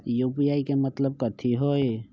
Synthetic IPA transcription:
jupijaikemət̪ləb̚kət̪ʰiɦoj

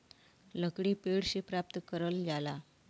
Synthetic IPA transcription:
ləkɽiːpeɽɕipɾap̚t̪əkəɾəlɡala

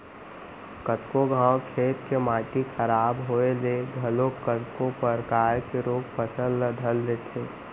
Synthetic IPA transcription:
kət̪koɡʱãːwkʰeːt̪kemaːʈixʰəɾaːbɦoeleɡʱəlokət̪kopəɾkaːɾkeɾoːɡpəsəlːəd̪ʱəld̪et̪ʰeː

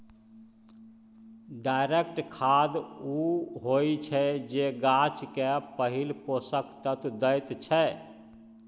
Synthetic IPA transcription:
ɖajɾek̚ʈkʰad̪uɦojt͡ʃʰɛd͡ʒeɡat͡ʃkepəɦilposəkt̪ət̪d̪əjt̪t͡ʃʰɛ

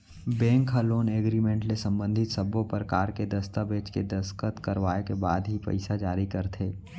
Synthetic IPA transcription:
bɛ̃ːŋkʰaloːneːɡɾimẽɳʈlesə̃mbə̃nd̪ʱɪt̪səbõpəɾkaːɾked̪ɐst̪abeːt͡ʃked̪əskət̪kəɾʋaːekebaːd̪ɦipɐ̰ɪsad͡ʒaːɾikəɾt̪ʰeː

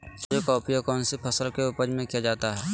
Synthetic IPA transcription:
d͡ʒokɔːpijakɔːnsipʰɐsəlkeupəɾmẽkijad͡ʒaːt̪aɦɛː

